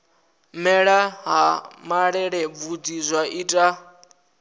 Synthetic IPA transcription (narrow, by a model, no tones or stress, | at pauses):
mɛɺaɦamaɺɛɺɛb̪vudizʷwaitʼa